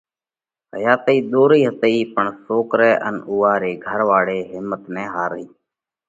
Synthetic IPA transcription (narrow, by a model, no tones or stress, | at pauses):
ɦəjaːt̪iːd̪oːɾiːɦət̪əiːpəɳsoːkɾɛːʔə̰nuːaːɾeːɡʱəɾʋaːɽeːɦɪmːət̪nɛ̃ːɦaːɾəiː